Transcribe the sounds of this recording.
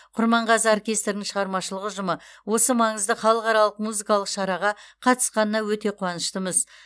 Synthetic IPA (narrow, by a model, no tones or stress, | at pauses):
qʰʊɾmɑɴʁɑzəorkʲe̞st̪rnɪŋʃəʁɑɾmɑʃəlˠəʁəʒʊməwo̞səmɑɴəzd̪əχɑlˠəqɑɾɑlˠəq̚muzikɑlˠəqʃɑɾɑʁɑqʰɑt̪ə̥sqɑnənɑwɵt̪e̞qʰuwɑnəʃt̪əməz